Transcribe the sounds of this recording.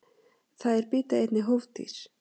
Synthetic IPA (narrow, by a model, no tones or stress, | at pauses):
θaðɛɾpiːt̪aejt̪nɪɦovt̪ḭɾ̥